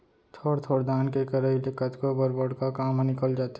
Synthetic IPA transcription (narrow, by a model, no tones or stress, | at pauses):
t̪ʰoɽt̪ʰoɽd̪aːnkekəɾəilekət̪ʰkobəɾbəɽkakamnɪkəld͡ʒaːt̪